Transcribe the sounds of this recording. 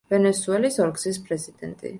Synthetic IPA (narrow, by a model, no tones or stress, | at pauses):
vɛnɛsuɛlisɔɾɡsispʼɾɛzid̪̥ɛ̰nt̪ʼḭ